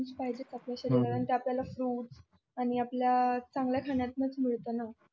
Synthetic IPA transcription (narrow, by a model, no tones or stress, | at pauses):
t͡ɕpaɦid͡ʑet͡sapljaɕəɾikəɾant̪jaːpljalafɾuːʈs | aɽ̃iapljat͡sãŋɡljakʰaɳjat̪̚mət͡sm̤əɭt̪əna